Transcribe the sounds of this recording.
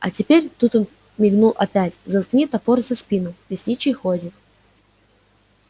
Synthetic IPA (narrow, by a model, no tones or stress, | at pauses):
ɐtʲɪpʲeɾʲt̪ut̪on | mʲɪɡnulˠʔɐpʲætʲzɐt̪knʲit̪ɐporzɐspʲinʊdʲɪsʲtʲit͡ɕɪxodʲɪt̪